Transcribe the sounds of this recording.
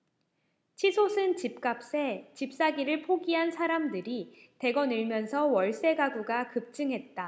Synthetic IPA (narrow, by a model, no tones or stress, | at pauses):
t͡ɕʰisʰosʰɯnt͡ɕip̚k͈ap̚s͈e̞t͡ɕip̚s͈aɡiɾɯɭpʰoɡiɦansʰaɾamdɯɾi | te̞ɡʌnɯɭmjʌnsʰʌwʌɭs͈e̞ɡaɡuɡakɯp̚t͡ɕ͈ɯŋɦe̞t̚t͈a